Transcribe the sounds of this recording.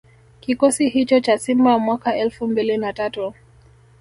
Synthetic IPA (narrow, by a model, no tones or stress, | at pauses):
kikɔsihit͡ʃɔt͡ʃasimbajamwakaɛlfumbilinatatu